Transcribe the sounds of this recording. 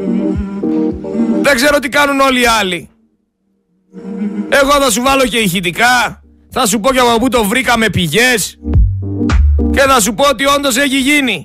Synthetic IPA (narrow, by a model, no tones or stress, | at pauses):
ðeɡze̞ɾo̞t̪ikɐnuno̞liɐli | e̞ɣo̞θɐs̬uvɐlo̞ce̞içit̪ikɐ | θɐs̬upo̞ceɐpɐput̪o̞vɾikɐme̞piʝe̞s | ce̞θɐs̬upoot̪io̞nd̪o̞s̬e̞çiʝini